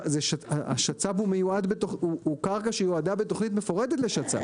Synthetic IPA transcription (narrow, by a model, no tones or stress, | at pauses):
zeʃaaa̰ʃat͡sabumejuadbetoχuːkaʁkaʃejoadabetoχnit̬me̞fo̞ʁede̞tle̞ʃat͡sa̰